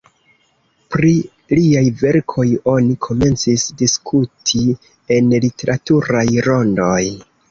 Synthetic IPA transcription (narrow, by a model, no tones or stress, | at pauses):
pɾi | liajve̞ɾkʰo̞jo̞nikʰo̞me̞nt͡sisdiskʰutʰi | e̞nlite̞ɾatuɾajɾo̞ndo̞j